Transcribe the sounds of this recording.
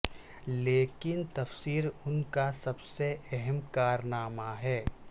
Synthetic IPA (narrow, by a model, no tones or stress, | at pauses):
leːkɪnt̪ɐfsiːɾʊnkasɐbseɛɦɛmkaːɾnaːmaɦɛː